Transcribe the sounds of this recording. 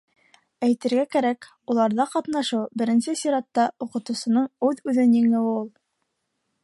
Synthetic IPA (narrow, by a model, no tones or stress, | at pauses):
æjt̪ɘ̆ɾɡækæɾæk | ulˠɑɾðɑqɑt̪n̪ɑʃɤwbɘ̆ɾɘ̆nsɘsiɾɑt̪ːɑuqɤ̆t̪ŭsɤ̆nɤɴʉðʉðɘnjĭŋɘwulˠ